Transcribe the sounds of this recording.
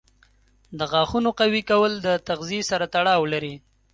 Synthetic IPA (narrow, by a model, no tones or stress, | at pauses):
d̪əɣɑxunoqawikawəld̪ət̪aɣziesaɾat̪aɽɑwlaɾi